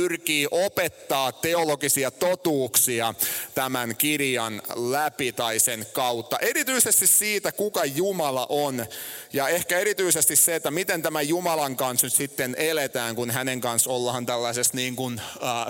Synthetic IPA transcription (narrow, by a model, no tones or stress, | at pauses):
yrkiːʔopet̪ːɑːt̪ːeoloɡisiɑt̪ot̪uːksiɑt̪æmænkirjɑnlæpit̪ɑisenkɑut̪ːɑʔerit̪yisest̪issiːt̪ækukɑjumɑlɑ̰ʔonjɑehkæeɾit̪yisest̪isseːt̪ːæmit̪ent̪æmæjumɑlɑŋkɑnsnyt̪sit̪ːenelet̪æːŋkunhæneŋkɑnsolːɑhɑnt̪ælːæsesniːŋkunː